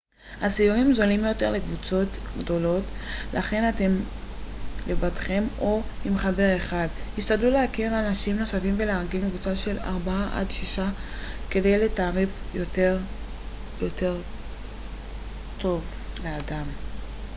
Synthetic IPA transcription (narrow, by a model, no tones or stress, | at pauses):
hasiuʁimzo̞limjo̞teʁle̞kvut͡so̞tɡdo̞lo̞tlʔaχe̞nat̪e̞m | levadχe̞mo̞imχabe̞ʁe̞χadhiʃtadlulehakiʁanaʃimno̞safimveleaʁɡenkvut͡saʃe̞la̰ʁbaaʔa̰d̪ʃiʃake̞de̞jle̞taːʁifjoteʁ | jo̞te̞ʁ | tʰo̞vleadam